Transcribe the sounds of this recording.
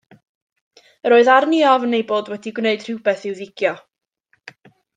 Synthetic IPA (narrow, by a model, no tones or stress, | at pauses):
əɾoːɨðarniɔvənejboːdwɛdiɡwneɨd̥r̥ɪwbɛθɪwðɪɡ̥jɔ